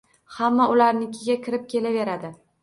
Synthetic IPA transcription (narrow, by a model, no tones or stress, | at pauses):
hamːaʊlaɾnɪkʲʰɪɡʲakʲʰɪɾɪp̚kʲʰe̞lave̞ɾad̪ɪ